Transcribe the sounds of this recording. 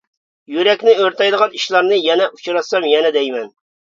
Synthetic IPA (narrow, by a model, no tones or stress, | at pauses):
jyɾɛkʲnɪøɾt̪ʰɑjd̪əʁɑniʃlˠɑɾnɨjɛnɛʔu̥t͡ʃʰɾɑsɑmjɛnɛd̪ɛjmɛn